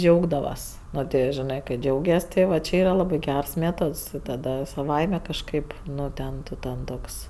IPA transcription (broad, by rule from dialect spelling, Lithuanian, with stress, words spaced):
ˈd͡ʒʲɛʊɡdɐʋɐs ˈnoː tʲɪ joː ʒʲɪˈnɜ kɐɪ ˈd͡ʒʲɛʊɡʲɛs tʲɪ ˈʋɐ t͡ʃʲɪ ˈiːrɐ ˈlˠɑːbɜ ˈɡʲæːrɐs ˈmʲeːtoːts tɐˈdɐ sɐˈʋɐɪmʲɛ kɐʃˈkɐɪp ˈnʊ ˈtʲɛn ˈtʊ tʲɛn ˈtoːks